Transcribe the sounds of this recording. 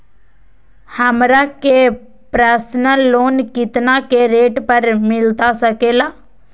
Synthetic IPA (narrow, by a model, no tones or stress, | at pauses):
həmɾake | pɾaːsnəlːoːnkɪt̪nakeɾeːʈpəɾmɪlt̪asəkeːlaː